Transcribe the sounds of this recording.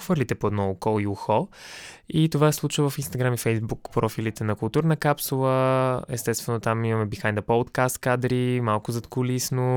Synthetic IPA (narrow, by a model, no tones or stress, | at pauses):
xvəɾlit̪ɛpoɛd̪nɔokɔliuxɔ | it̪ovaɛslˠut͡ʃvəvɐfinst̪ɐɡɾamifɛjzbukpɾɔfilit̪ɛnɐkʊlˠt̪uɾnəkapsulˠəɛ̰st̪ɛst̪vɛnʊt̪amimɐmɛbixanʲd̪ɐpɔt̪kast̪kad̪ɾimalˠkʊzɐt̪kʊlisno